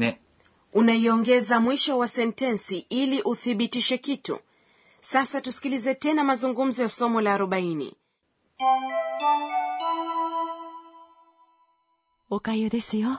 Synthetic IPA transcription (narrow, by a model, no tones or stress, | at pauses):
ɛ | unaiɔŋɡɛzamwiʃɔwasɛntɛnsiʔiliʔuθiɓitiʃɛkitṵ | sasatusi̥kilizɛtɛnamazuŋɡum̩zɔjasɔmɔlaːɾɔɓainḭ | ukajɔðɛsiɔ